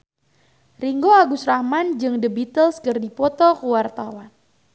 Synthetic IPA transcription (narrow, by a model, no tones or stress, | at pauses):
riŋɡoaɡusrahmand͡ʒɨŋdəbit̪əlskərdipɔt̪ɔkuwart̪awan